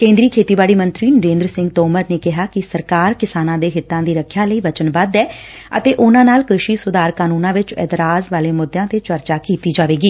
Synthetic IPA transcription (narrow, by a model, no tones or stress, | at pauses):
kẽːnd̪ɾiːkʰeːt̪iːbaːɽiːmənt̪ɾiːnəɾẽːnd̪ɾəsɪ̃ŋɡt̪oːməɾneːkɪɦaːkɪsəɾkaːɾkɪsaːnãːd̪eːɦɪt̪ːãːd̪iːɾəkʰjaːləiːʋət͡ʃənbəd̪ɛː | ə̰t̪eːʔʊnãːnaːlkɾʊʃiːsʊd̪aːɾkaːnuːnãːʋɪt͡ʃɛ̰ːt̪ɾaːzʋaːleːmʊd̪jãːt̪eːt͡ʃəɾt͡ʃaːkiːt̪iːd͡ʒaːʋeːɡiː